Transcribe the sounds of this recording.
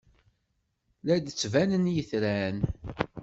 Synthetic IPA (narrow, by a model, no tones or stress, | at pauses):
læd̪t͡sːvænənjəθɾæn